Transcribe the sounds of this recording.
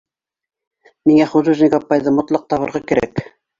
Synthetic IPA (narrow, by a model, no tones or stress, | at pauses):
miŋæχuzuʒnʲɪɡapːɑjðɤmŏt̪lˠɑq̚t̪ɑβɤ̆ɾʁɑkɘ̆ɾæ̰k